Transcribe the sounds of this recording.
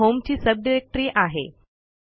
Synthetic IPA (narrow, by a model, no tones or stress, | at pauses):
ɦomt͡ɕiːsəb̚ɖiɾek̚ʈəɾiːʔaɦḛ